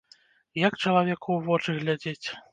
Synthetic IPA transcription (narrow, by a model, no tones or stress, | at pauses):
jakt͡ʂɐlˠavʲɛkʰuwvɔt͡ʂɨɣlʲad͡zʲet͡sʲ